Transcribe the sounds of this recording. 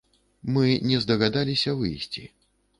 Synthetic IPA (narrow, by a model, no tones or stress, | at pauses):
mɨnʲɛzd̪ɐɣad̪alʲisʲɐvɨjsʲt͡sʲḭ